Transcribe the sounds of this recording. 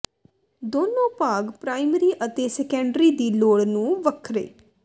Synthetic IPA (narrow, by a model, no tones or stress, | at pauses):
d̪oːnõːpaːɡpɾaːɪmɾiːʔət̪eːsɛkɛ̃ɳɖɾiːd̪iːloːɽnũːʋəkʰɾḛː